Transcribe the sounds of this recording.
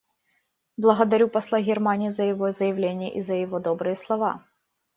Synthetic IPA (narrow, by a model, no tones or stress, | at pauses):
blˠɐɣɐd̪ɐɾʲupɐslˠaɣʲɪrmanʲɪjizəjɪvozəjɪvlʲenʲɪjə̰ʔizəjɪvod̪obɾɨjəslˠɐva̰